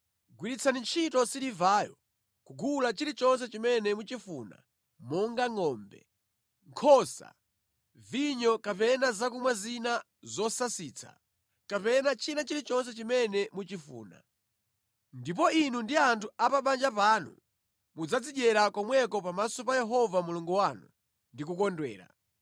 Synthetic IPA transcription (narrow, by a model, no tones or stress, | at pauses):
ɡwiɾit͡sʰanint͡ʃʰitɔsiɾivaːjɔ | kuɡʱulat͡ʃiɾit͡ʃɔns̬ɛt͡ʃimɛnɛmut͡ʃifṵna̰ | mɔŋɡaŋɔːmbɛ̰ | ŋkʰɔsa̰ | viɲɔkapɛnazakumwazina | zɔsasiːt͡sʰḁ̰ | kapɛnat͡ʃʰinat͡ʃiɾit͡ʃɔns̬ɛt͡ʃimɛnɛmut͡ʃifṵːna̰ | ndip̬ɔinundiantʰuapaɓand͡ʒapaːnṵ | mud͡zad͡ziʄɛɾakɔmwɛkɔpamasɔpajɛɦɔvamuluŋɡuwanu | ndik̬ukɔndwɛ̰ːɾa̰